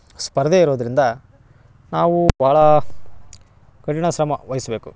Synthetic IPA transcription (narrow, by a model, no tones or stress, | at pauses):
spɐɾd̪eiɾoːd̪ɐɾind̪ɐ | naːʋubʱaːɭɐ | kɐʈiɳɐʃɾɐmɐʋɐjisbeːku